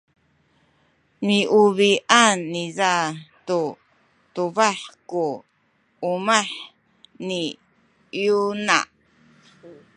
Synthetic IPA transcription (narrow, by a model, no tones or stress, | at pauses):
niʔuβiʔanːizat̪u | t̪uβaħkuː | maħ | ni | juna̰